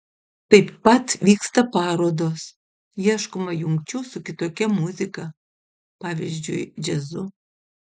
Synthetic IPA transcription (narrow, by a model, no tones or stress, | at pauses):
t̪ɐɪpːɐt̪ʋʲiːkst̪ɐpɑːɾoːd̪oːs | jiɛʃkʊmɐjʊŋʲkʲt͡ʃʲusʊkʲɪt̪oːkʲɛmʊzʲɪkɐ | pɑːʋʲizʲd͡ʒʲʊɪd͡ʒʲɛzʊ